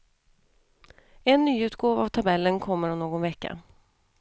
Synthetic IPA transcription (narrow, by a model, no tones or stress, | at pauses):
ɛnːyːʉ̟ːt̪ɡoːvavt̪ʰabɛlːənkʰɔmːəɾɔmnoːɡɔnvɛkːa̰